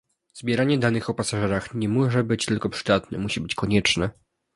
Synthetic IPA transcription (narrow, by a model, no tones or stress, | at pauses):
zbʲjɛɾaɲɛd̪anɘxɔpasaʐɛɾaxɲɛmɔʐɛbɘt͡ɕt̪ɘlkɔpʂɘ̥d̪at̪nɛ̰muɕibɘt͡ɕkɔɲɛt͡ʂnɛ